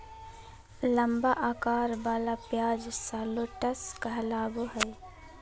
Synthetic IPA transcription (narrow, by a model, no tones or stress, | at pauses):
ləmbaʔaːkaːɾbaːlapjaːd͡ʒsaːloʈəskəɦlaːɡuɦəj